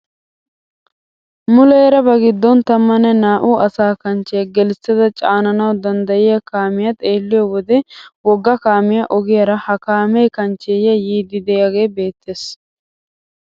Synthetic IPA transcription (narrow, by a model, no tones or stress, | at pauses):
mʊleːɾɐbɐɡɪd̪ːɔnt̪ɐmːɐnɛnaːʔuːʔɐsaːkɐnt͡ʃːejɡɛlɪsːɛd̪ɐt͡ʃʼaːnɐnɐwd̪ɐnd̪ɐjɪjɐkaːmɪjɐt̪ʼe̞ːlːɪjɔwɔd̪ɛwɔɡːɐkaːmɪjɐʔɔɡɪjɐɾɐhɐkaːmɛjkɐnt͡ʃːejɐjiːd̪ɪd̪ɛjɐɡe̞jbe̞ːt̪ːeːs